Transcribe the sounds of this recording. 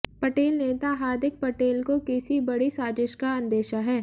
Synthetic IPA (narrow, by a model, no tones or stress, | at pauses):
pɐʈeːlneːt̪aɦaːɾd̪ʱɪk̚pɐʈeːlkokɪsibɐɽisaːd͡ʒɪʃkaɐ̃nd̪eːʃaɦɛː